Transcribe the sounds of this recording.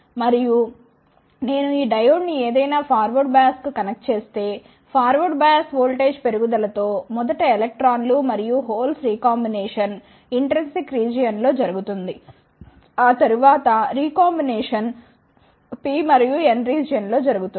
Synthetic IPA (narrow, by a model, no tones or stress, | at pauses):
mɐɾiju | ne̞ːnuiːɖɐjoːɖnieːd̪ɐjnaːpʰaːɾʋɐɖbaːskukɐnɐk̚ʈt͡ʃe̞ːst̪e̞ː | pʰaːɾʋɐɖbaːskʋoːlʈe̞ːd͡ʒpe̞ɾuɡud̪ɐlɐt̪o̞ːmɔd̪ɐʈɐelek̚ʈɾaːnlumɐɾijuɦoːlsɾiːkaːmbineːʂɐn | iɳʈɐɾensikɾiːd͡ʒijɐnlo̞ːd͡ʒɐɾuɡut̪und̪i | aːt̪ɐɾuʋaːt̪ɐɾiːkaːmbineːʂɐn | pimɐɾijuenɾiːd͡ʒijɐnlo̞ːd͡ʒɐɾuɡut̪u